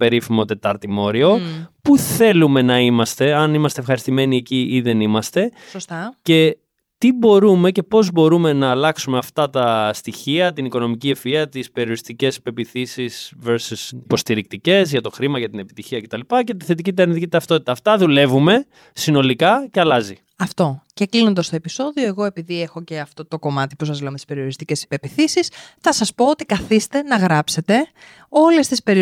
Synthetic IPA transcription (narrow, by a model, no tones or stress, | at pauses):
pe̞ɾifimo̞t̪e̞t̪ɐɾt̪imo̞ɾio̞puθe̞lume̞nɐimɐst̪e̞ɐnimɐst̪efxɐɾist̪ime̞nie̞ciʔiðe̞nimɐst̪e̞sce̞ | t̪ibo̞ɾume̞ce̞po̞zbo̞ɾume̞nɐːlɐksumeɐft̪ɐt̪ɐst̪içiɐt̪iniko̞no̞miciefiɐt̪ispeɾioɾist̪ice̞si̥pe̞piθisiz̥veɾsusipo̞st̪iɾik̚t̪ice̞zʝɐt̪o̞xɾimɐʝɐt̪inepi̥t̪içiɐcet̪ɐlipɐce̞t̪i̥θe̞t̪icit̪̬enit̪cit̪ɐft̪o̞t̪i̥t̪ɐːft̪ɐðule̞vume̞ | sino̞likɐceɐlɐzi | ɐft̪o̞ce̞klino̞nd̪ɐst̪o̞e̞piso̞ðioe̞ɣo̞e̞piðiexo̞ce̞ɐft̪o̞t̪o̞ko̞mɐt̪ipusɐzle̞omet̪i̥spe̞ɾio̞ɾist̪ice̞si̥pe̞piθisisθɐsɐspoot̪ikɐθist̪e̞nɐɣɾɐpse̞t̪e̞ | o̞le̞st̪ispe̞ɾi